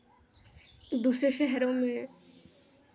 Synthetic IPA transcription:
d̪uʃeʃeɦɛɾome

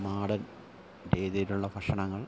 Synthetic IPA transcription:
maːɽɐn | deːd̪ɐjiluɭːɐpɐʂɐɳɐŋːɐɭ

